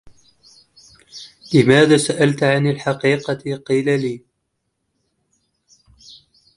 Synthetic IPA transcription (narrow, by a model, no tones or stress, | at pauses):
lɪmaːðaːsaʔalt̪ʕanalħɑqiːqɑqiːlaliː